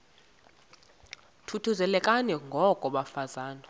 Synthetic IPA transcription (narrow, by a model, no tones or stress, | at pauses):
tʰutʰuzɛlɛkʼanɛŋɡʱɔkʼɔɓafazaːna